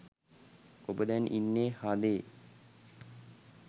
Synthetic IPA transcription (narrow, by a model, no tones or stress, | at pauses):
obəd̪ɛnʔinːeːhad̪eː